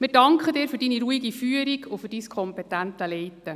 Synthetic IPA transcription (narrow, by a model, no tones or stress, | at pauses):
mɪɾdɑŋkχədɪːɾfyɾd̥iniɾuiɡifyəɾiɡʰʊfyɾd̥iːskʰχɔmpɛtænt̪əlɛjtːə